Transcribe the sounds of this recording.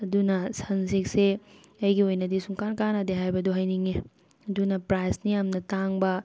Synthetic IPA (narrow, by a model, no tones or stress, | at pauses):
ɐdunɐsɐnsik̚se | ɐjɡiojnɐdisuŋkankanɐdeɦajbɐdoɦɐjniŋe | ɐdunɐpɾajsnijamnɐtaŋbɐ